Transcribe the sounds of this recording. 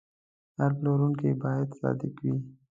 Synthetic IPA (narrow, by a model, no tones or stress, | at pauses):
aɾbloɾuŋkebɑjad̪sɑ̰d̪ɪkwi